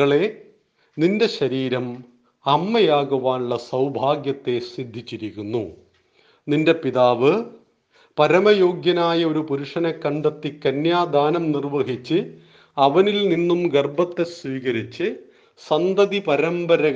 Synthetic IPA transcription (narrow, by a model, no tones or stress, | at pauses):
ɐɭe̞ | ninde̞ɕɐɾiːɾɐm | ɐmːɐjaːɡɐʋaːnuɭːɐsɐwbʱaːɡjɐt̪ːe̞sid̪ʱːit͡ɕːiɾikʲːunːu | ninde̞piðaːʋɨ | pɐɾɐmɐjo̞ːɡjɐnaːjɐoɾupuɾuʂɐnɐkːɐɳɖɐt̪ːikːɐnjaːd̪ʱaːnɐmnirʋɐɦit͡ɕːɨ | ɐʋɐnilninːumɡerbɐt̪ːe̞sʋiːkɐɾit͡ɕːɨ | sɐnd̪ɐðipɐɾɐmbɐɾɐɣ